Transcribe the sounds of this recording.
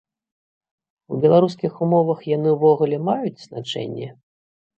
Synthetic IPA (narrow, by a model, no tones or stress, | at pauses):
ubʲɛlˠaɾuskʲixumɔvɐxjanɨvɔɣulʲɛmajud͡zʲz̥nat͡ʂɛ̰nʲːɛ